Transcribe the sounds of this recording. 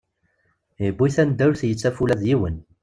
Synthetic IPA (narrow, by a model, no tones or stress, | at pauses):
ibːiθænd̪æwlθjət͡sːæfulæðjiwən